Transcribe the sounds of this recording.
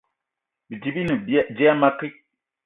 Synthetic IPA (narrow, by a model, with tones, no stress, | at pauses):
bi˨di˨bi˦ni˨bd͡ʒɛ˦a˦ma˦kɪ˦